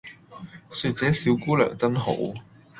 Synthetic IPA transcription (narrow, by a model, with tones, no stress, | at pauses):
syː˧t̚t͡sɛː˨˥siː˨˧˥wkuː˥lœ̰ː˨˩ŋt͡sɐ˥nɦo̰˨˥w